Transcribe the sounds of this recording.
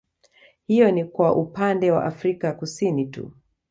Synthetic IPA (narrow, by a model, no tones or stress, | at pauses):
hijɔnikwaʔupandɛwa̰ʔafɾikakusinitṵ